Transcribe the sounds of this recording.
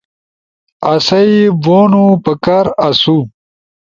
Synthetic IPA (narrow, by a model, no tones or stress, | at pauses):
ɐsɐiboːnupɐkaɾɐsu